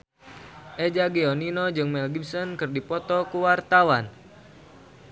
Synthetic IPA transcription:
ʔɛd͡ʒaɡeɔninod͡ʒɨŋmɛlɡibsɔnkɨrdipɔt̪ɔkuwart̪awan

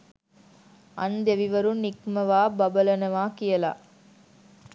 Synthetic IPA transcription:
ɐnd̪eʋiʋɐɾunːikmɐʋaːbɐbɐlɐnɐʋaːkijɐla̰ː

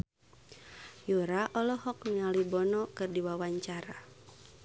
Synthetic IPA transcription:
juɾaʔɔlɔɦɔk̚nialibɔnɔkɨrdiwawaɲt͡ʃaɾa

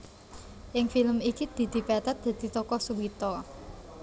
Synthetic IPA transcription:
ʔɪŋfiləmikid̪̥i̤d̪̥i̤pat̪at̪̚d̪̥a̤d̪̥i̤t̪ɔkɔsuwit̪ɔ

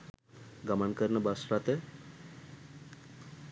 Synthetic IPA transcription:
ɡəmankəɾnəbaslat̪e

